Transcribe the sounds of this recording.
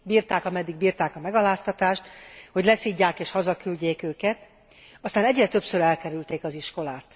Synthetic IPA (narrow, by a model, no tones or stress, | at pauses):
biːrt̪aːkɒmɛd̪ːiɡ̚biːrt̪aːkɒmɛɡɒlaːst̪ɒt̪aːʃt̪ho̞ɟlɛsiɟːaːkeːʃhɒzɒkylɟeːkøːkɛt̪ | ɒst̪aːnɛɟrɛt̪ø̞psøɾɛlkɛɾylt̪eːkɒziʃko̞laːt̪